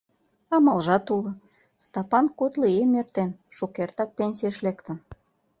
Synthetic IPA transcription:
ɑmɑlʒɑt̪ulɤ̆ | st̪ɑpɑnkut̪liemert̪enʃukert̪ɑk̚penʲsʲijeʃlekt̪ə̆n

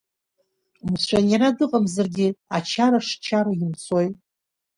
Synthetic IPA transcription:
mɨsʷᶣanjaɾadɨqʼamzarɡʲɪat͡ʃʰaɾaʂt͡ʃʰaɾaimt͡sʰojtʼ

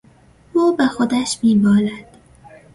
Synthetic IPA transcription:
uːbæxod̪æʃmiːbɒːlæd̪̥

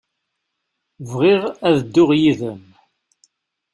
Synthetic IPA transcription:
vʁiʁæðəd̪ːʊʁjiðəm

